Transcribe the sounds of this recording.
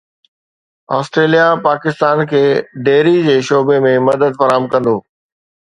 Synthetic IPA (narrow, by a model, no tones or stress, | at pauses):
aːsʈɾeːlijapaːkɪst̪aːnkʰeːɖeːɾid͡ʑeːʃoːbemẽmɐd̪əd̪fɐɾaːɦəmkɐ̃nd̪oː